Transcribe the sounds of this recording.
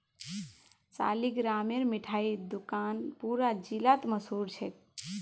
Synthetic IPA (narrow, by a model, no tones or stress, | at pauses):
sa̰liɡɾameɾmiʈʰaid̪ukanpuɾad͡ʒilat̪məsuɾt͡ʃʰɛk̚